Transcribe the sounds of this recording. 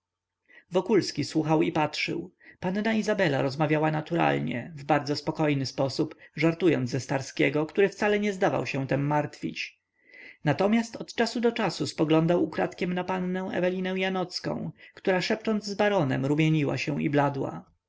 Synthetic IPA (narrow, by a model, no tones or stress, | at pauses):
vɔkulskʲiswuxawipatʂɘ̰wpanːaizabɛla̰ɾɔzmavʲjawanat̪uɾa̰lɲɛ̰vbaɾd̪zɔspɔkɔjnɘspɔsupʐaɾt̪ujɔ̰nd̪zɛst̪aɾskʲɛɡɔkt̪uɾɘfsalɛɲɛzd̪ava̰wɕɛw̃t̪ɛmːaɾt̪fʲḭt͡ɕ | nat̪ɔmʲjast̪ɔt̪t͡ʂasud̪ɔt͡ʂasuspɔɡlɔnd̪awukɾat̪kʲɛmnapanːɛ̃w̃ɛ̰vɛlʲinɛw̃janɔt̪skɔ̰̃w̃kt̪uɾaʂɛp̚t͡ʂɔnd̪zzbaɾɔnɛ̰mɾumʲjeɲiwa̰ɕɛw̃ḭblad̪wa̰